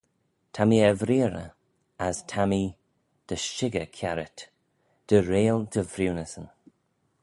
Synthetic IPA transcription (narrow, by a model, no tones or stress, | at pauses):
t̪ʰamiɛvɾiːɾə̰ | astʰami | d̪̥əʃɪɡəkʰjaɾɪt | d̪̥əɾeːld̪əvɾiwnəsən